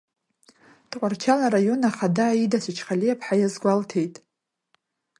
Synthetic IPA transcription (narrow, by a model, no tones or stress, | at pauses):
d̥qʷʼart͡ʃʰalaɾajo̞naχadaːidasʷʰɪt͡ʃʰχalijapʰħajazɡʷaltʰe̞jtʼ